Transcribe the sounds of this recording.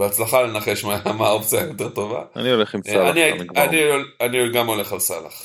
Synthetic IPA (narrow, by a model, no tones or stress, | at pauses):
beat͡slaχale̞naχe̞ʃmameaopt͡sijajo̞te̞ʁt̪o̞va̰a̰nioleχimalaniaaniolanioɡamo̞le̞χalsala̰χ